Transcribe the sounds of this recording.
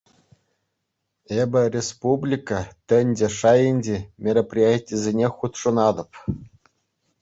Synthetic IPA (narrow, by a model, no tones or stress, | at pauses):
ebʲɘ̆rʲespublʲikɑt̪ʲɘ̆nʲdʲĕʂɑjinʲdʲemʲeɾʲaprʲijatʲːizʲenʲexut̪ʂɤ̆nɑd̪ɤ̆p